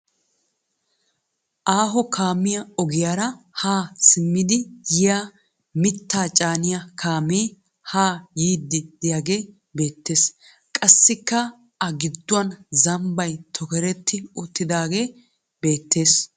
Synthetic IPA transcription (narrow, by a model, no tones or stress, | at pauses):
ʔaːɦɔkʰaːmɪjɐɔɡɪjaːɾɐ | haːsɪmːɪd̪ɪjɪjaː | mɪt̪ːaːt͡ʃʼaːnɪjɐkʰaːmiː | haːjiːd̪ːɪd̪̥ɪjaɡe̞ː | be̞ːt̪ːe̞ːs | kʼɐsːɪkːɐ | ʔɐɡɪd̪ːʊɐnzɐmbɐjt̪ʰɔkɛɾɛt̪ːɪɔt̪ːɪd̪aːɡe̞ː | be̞ːt̪ːe̞ːs